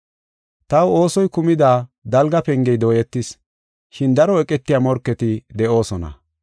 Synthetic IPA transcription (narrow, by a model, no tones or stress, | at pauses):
t̪ɐwo̞ːsɔjkʊmɪd̪aːd̪ɐlɡɐpɛŋɡɛjd̪o̞ːjɛt̪ːɪs | ʃɪnd̪ɐɾɔɛkʼɛt̪ːɪjamɔɾkːɛt̪ɪd̪ɛʔo̞ːsɔnɐ̰